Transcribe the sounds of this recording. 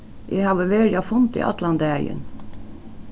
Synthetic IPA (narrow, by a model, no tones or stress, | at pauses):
ʔæhɑːʋəʋeːɾjɑfʊnt̪ḭːʔɑ̰t̪lɑnd̪æjə̰n